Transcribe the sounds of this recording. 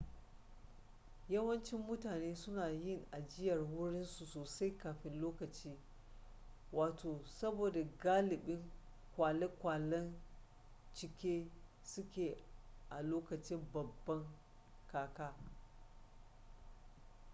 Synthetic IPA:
jɐ˦wɐ˦nt͡ʃɪ˦mːʊ˦taː˨neː˦sʊ˦naː˨jɪ˦˨ŋʔa˨d͡ʒɪ˦jɐ˨rwʊ˦ɽɪ˦nsu˨soː˨sa˦jkaː˨ɸɪ˦nloː˦kɐ˨t͡ʃiː˦ | waː˨tʰoː˨sɐ˦boː˨da˨ɡaː˦lɪ˨ɓɪ˦ŋ | kʷaː˨le˦kʷaː˨lɐ˦n | t͡ʃɪ˨kʲeː˦ | sʊ˦kʲeː˨ʔa˨loː˦kɐ˨t͡ʃɪ˦mbɐ˨bːɐ˦ŋ | kaː˨kaː˦

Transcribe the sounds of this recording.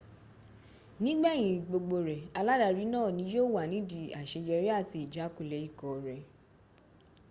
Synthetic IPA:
nĩ˦ɡ͡bɛ˦˨j̃ĩ˨ɡ͡bo˧ɡ͡bo˧ɾɛ˨a˧la˦da˧ɾi˨˦nãː˦˨nĩ˨˦joː˦˨wa˨nĩ˨˦di˧˨a˨ʃe˧jɔ˧˦ɾi˦a˦˨ti˧i˨d͡ʒa˨˦ku˦˨lɛ˨˦i˦˨kɔ˨ɾɛ˨

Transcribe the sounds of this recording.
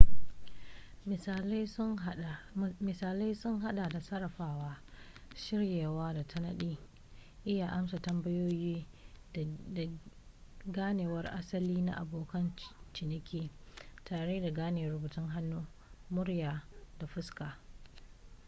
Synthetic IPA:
mɪ˨saː˨la˦jsʊ˦ŋɦa˦ɗa˨da˨sɐ˦ɾɐ˨ɸaː˦waː˦ | ʃɪ˦ɽjeː˨waː˦da˨tɐ˦nɐ˦ɗiː˦ | ʔɪ˦jaː˨ʔa˦msa˨tɐ˦mbɐ˦joː˦jiː˦˨ | ɡaː˦neː˨wɐ˦rʔa̰˦sɐ˦liː˦na̰˦ʔa̰˨boː˨kɐ˦nt͡ʃɪ˨nɪ˦kʲiː˦taː˨ɽeː˦da˨ɡaː˦neː˨ɾʊ˨˦buː˨tɪ˦ŋɦa˦nːuː˦ | mʊ˦ɽjaː˨da˨ɸʊ˦skaː˨

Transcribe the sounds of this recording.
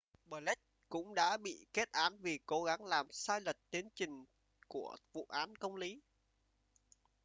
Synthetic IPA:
ɓəː˨˩lɛ˦˥t̚kʊ̰˧˥ŋ͡mɗa̰ː˧˥ɓḭ˧˨ke˦˥t̚ʔaː˨˦nvi˨˩ko˨˦ɣa˨˦ŋlaː˨˩msaː˧jlə˨˩t̚t̪i˨˦ənt͡ɕï˨˩ŋ̟ | ku˧˩əvṵ˧˨ʔaː˨˦nkə˧wŋ͡mli˨˦

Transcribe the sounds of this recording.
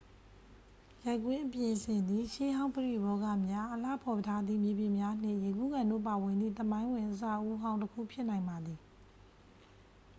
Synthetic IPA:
ja˦˨kwɪ̃˦ʔəpjɪ̃˨sʰɪ̃˨nd̪i˨ʃe˦ɦã˦ʊ̃pəɹḭ˦˨bɔ˦ɡä̰˦˨mja˦ʔəla̰˦˨pʰɔ˨ətʰa˦d̪ðḭ˦˨mje˨bjɪ˨mja˦n̥ɪ̰̃˦˨je˨ɡu˦˨ɡã˨ndo̰˦˨pa˨wɪ̃˨nd̪ðḭ˦˨t̪əmã˦ɪ̃wɪ̃˨ʔəs̬ä̰˦˨ʔu˦ɦã˦ʊ̃ntəkʰṵ˦˨pʰjɪ˦ʔnã˨ɪ̃mba˨d̪i˨

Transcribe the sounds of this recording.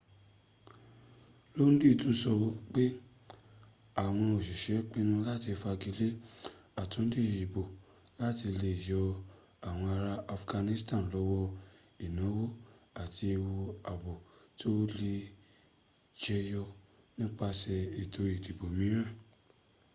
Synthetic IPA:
lo˦n̩˦di˦˨tu˨˦sɔ˧wo˦k͡pe˦ | a˨w̃ɔ̃˧o˨ʃi˨ʃɛ˨˦k͡pe˦nũ˦la˦˨ti˧fa˧ɡi˧le˦a˨tũ˨˦n̩˦di˦˨i˨bo˨ | la˦˨ti˧le˧i˨jɔ˧ | a˨w̃ɔ̃˧a˧ɾa˦a˧fɡa˧nĩ˦stã˦˨n˨lɔ˨˦wɔ˦ | i˨nã˨˦wo˦a˨ti˧wo˧a˨bo˨to˦le˧ | d͡ʒɛ˦jɔ˧ | nĩ˦k͡pa˦ʃɛ˧i˨tʰo˧ɾi˨ki˨bo˨mĩ˨˦ɾ̃ã˦˨

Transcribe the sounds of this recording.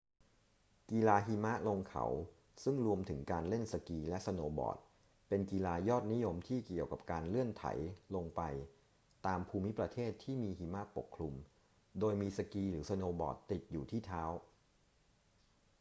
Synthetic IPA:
ki˧laː˧ɦiː˧ma˦˥lo˧ŋkʰa̰˩˦w | sɯ˥˩ŋɾu˧əmt̪ʰɯ˩˦ŋkaː˧nle˥˩nsa˧kiː˧lɛ˦˥ʔsa˧noː˧bɔ̰ː˨˩t̪̚ | pe˧nkiː˧laː˧jɔː˥˩t̪̚ni˦˥jo˧mt̪ʰiː˥˩ki˨˩əwka˨˩p̚kaː˧nlɯ˥˩ənt̪ʰa̰˩˦jlo˧ŋpa˧j | t̪aː˧mpʰuː˧mi˦˥pɾa˧t̪ʰeː˥˩t̪ʰːiː˥˩miː˧ɦiː˧ma˦˥ʔpo˨˩kʰlu˧m | doː˧jmiː˧sa˧kiː˧ɾɯː˩˦sa˧noː˧bɔ̰ː˨˩t̪ːi˨˩t̪̚juː˨˩t̪ʰiː˥˩t̪ʰaː˦˥w

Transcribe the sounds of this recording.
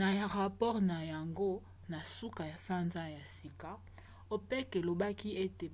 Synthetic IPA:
na˨ja˨ʁa˨pɔ˦ʁna˨ja˨ŋɡo˦ | na˨su˦ka˨ja˨sa˦nza˦ja˨si˨ka˨ | o˨pe˦ke˨lo˨ba˦ki˦e˦te˨

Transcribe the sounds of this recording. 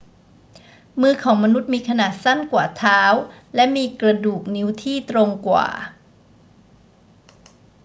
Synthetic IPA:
mɯː˧kʰɔː˩˦ŋma˧nu˦˥t̪̚miː˧kʰa˧naː˨˩t̪̚sa˥˩nkwa̰ː˨˩t̪ʰaː˦˥w | lɛ˦˥miː˧kɾa˧duː˨˩k̚ni˦˥wt̪ʰiː˥˩t̪ɾo˧ŋkwa̰ː˨˩

